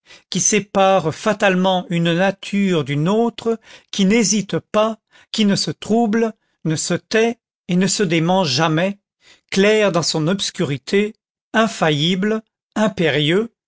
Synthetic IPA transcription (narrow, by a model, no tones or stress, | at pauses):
kʲisepaʁfat̪almɑ̃ynnat̪ʰyʁd̪ynot̪χəkʲinezit̪pa | kʲinəsət̪χubl | nəsət̪ɛ | enəsəd̪emɑ̃ʒamɛ | klɛʁd̪ɑ̃sɔ̃nɔpskʲyʁit̪ʰe | ɛ̃fajibl | ɛ̃peʁjø